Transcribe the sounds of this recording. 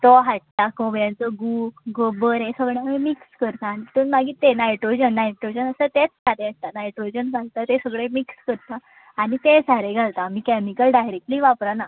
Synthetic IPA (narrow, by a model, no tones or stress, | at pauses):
t̪ɔɦaʈ̚t̪akõbɾjãnt͡səɡuɡobəɾẽsəɡɭjãmẽmikskəɾt̪anit̪ənmaɡiːt̪enajʈɾod͡ʑənːaeʈɾod͡ʑənəsət̪et͡ssaɾeaʈ̚t̪anajʈɾod͡ʑənɡʱalt̪at̪esəɡɭemikskəɾt̪a | aɽ̃it̪ed͡zaɾeɡʱalt̪amiːkɛmikəlɖajɾek̚ʈəliːʋapɾana